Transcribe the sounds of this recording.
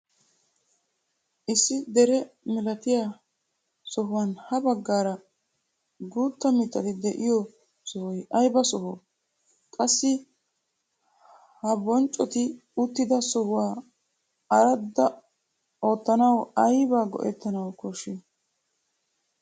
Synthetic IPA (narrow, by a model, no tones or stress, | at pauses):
ʔɪsːɪd̪ɛɾɛmɪlɐt̪ɪjaː | sɔɦʊwɐnhɐbɐɡːaːɾɐ | ɡuːt̪ːɐmɪt̪ːɐt̪ɪd̪ɛʔɪjɔ | sɔhɔjɐjbɐsɔɦɔ | kʼɐsːɪ | hɐbɔnt͡ʃʼːɔt̪ɪʊt̪ːɪd̪ɐsɔhʊwaː | ɐɾɐd̪ːɐ | o̞ːt̪ːɐnɐwɐjbaːɡɔ̰ʔɛt̪ːɐnɐwkɔʃɪ